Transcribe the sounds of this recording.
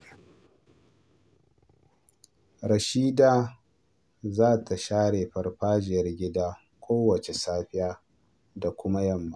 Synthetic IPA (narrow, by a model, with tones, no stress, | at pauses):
ɾɐ˨ʃiː˦daː˨ | zaː˦tʰa˨ʃaː˦ɽeː˨ɸɐ˨rɸaː˦d͡ʒɪ˨jɐ˦rɡʲɪ˦daː˦ | kʷʰoː˦wɐ˨t͡ʃe˨saː˦ɸɪ˦jaː˦ | da˨kʷʊ˦ma˦jɐ˦˨mːa˨